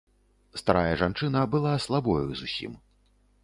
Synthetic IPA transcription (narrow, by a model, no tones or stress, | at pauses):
st̪aɾajɐʐant͡ʂɨnɐbɨlˠaslˠabɔjuzusʲḭm